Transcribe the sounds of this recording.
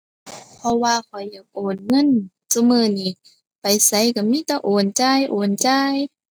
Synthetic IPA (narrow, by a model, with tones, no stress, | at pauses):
pʰɔ˧waː˧kʰɔ˨˩jːa˨˩ŋʔoː˨˩n̚ŋɤ˧˥˨n | sa˧mɯː˧˩˨niː˧˩˨ | pa˨˩jsa˧˦jka˧˩miː˧˥˨t̪ɛː˧ʔoː˨˩nt͡ɕaː˧jʔoː˨˩nt͡ɕaː˧j